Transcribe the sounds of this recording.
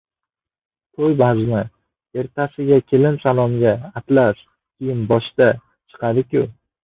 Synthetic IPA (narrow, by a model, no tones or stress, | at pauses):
t̪ʰojbazma | e̞ɾt̪ʰasɪɡʲakʲʰe̞lɪmsalˠɒmɡʲaːt̪laʃ | kʲʰijɪnbɒʃt̪a | t͡ʃʰɨ̥qʰɑd̪ɪkʲʊ